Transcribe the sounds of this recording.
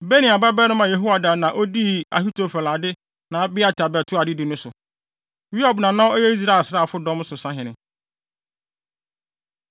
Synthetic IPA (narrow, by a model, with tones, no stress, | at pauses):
be˦nĩ˨a˨ba˦bɛ˦nʊ̃˦mã˨je˨ɦo˦wa˨da˨nã˨ʔo˦di˦a̰˨ɦi˦tʰo˨fɛ˨la˨dɪ˦ | nã˨˦bɪ˦a˨tʰa˨bɛ˨tʰʊ˦a˨dɪ˦dɪ˨nʊ̃˦sʊ˨ | wi˦a˨bnã˨nã˦ɔ˦jɛ˦i˦s̬ɾa˦˨sɾa˦˨fʊ˦dɔ̃˦m˦sʊ˨sã˦ɦɪ̃˨nɪ̃˨